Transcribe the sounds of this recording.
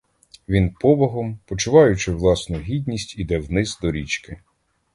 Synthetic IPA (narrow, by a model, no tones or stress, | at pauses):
ʋʲinpɔbɔɦɔmpɔt͡ʃʊʋɑjʊt͡ʃɪʋlˠɑsnʊɦʲid̪ʲnʲisʲtʲid̪ɛwnɪzd̪ɔɾʲit͡ʃkɪ